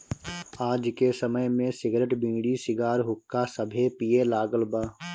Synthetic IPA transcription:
aːd͡ʒkesəməjmẽsɪɡɾeʈbĩːɽisɪɡaːɾɦʊkːasəbʱepijelaːɡəlbaː

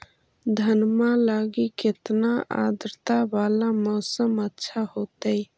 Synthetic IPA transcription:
d̪ʱənmalaːɡikɪt̪naʔa̰ːd̪ɾt̪abaːlamɔːsəmətːʃʰahoːt̪əi

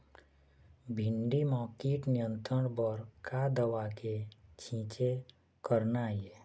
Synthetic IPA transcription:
bʱɪɳɖimaːkeːʈnijə̃nt̪ɾəɽbəɾkad̪əʋaket͡ʃʰĩːt͡ʃe | kəɾnaje

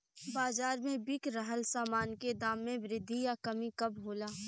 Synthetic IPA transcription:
baːzaːɾmẽbɪkɾəɦəlsaːmaːnked̪aːmːẽbɾɪd̪ʱːijakɐmikɐbɦoːlaː

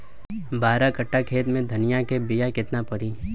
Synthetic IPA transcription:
baːɾakɐʈːakʰeːt̪mẽd̪ʱɐnɪjakebɪjakɪt̪napɐɾiː

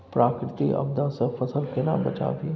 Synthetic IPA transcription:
pɾʔaːkɾɪt̪iʔɐ̰bd̪ãsefɐsəlkenabɐ̰t͡ʃa̰ːbʱi

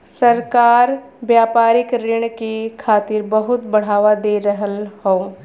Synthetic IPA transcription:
səɾkaːɾ | ʋjaːpaːɾɪkɾɪɳ̃kikʰaːt̪ɪɾbəɦʊt̪bɐɽ̤aːʋad̪eːɾəɦəlhoː

